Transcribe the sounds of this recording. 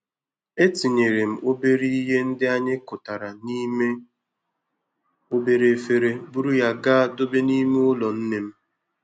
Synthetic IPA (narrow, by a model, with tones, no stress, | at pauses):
e˦ti˨ɲe˨ɾe˨m̩˨o˦be˦ɾi˦i˦ɦe˦n̩˦dɪ˦a˦ɲɪ˦kʊ˨ta˨ɾa˨ni˦me˦ | o˦be˦ɾe˨fe˦ɾe˦bu˦ɾu˦ja˦ɡa˦a˦˨dʊ˦be˦ni˦me˦ʊ˦lɔ˨n̩˦ne˦m̩˦